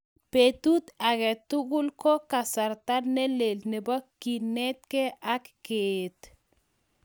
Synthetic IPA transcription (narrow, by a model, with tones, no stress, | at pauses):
pet̪u˦t̪a˨kɛ˨t̪u˦ku˦lkɔ˦ka˨sa˨ɾt̪a˦nɛ˦le˨lne˨bɔ˦ki˨nɛ˦t̪̚kɛ˦a˦kːet̪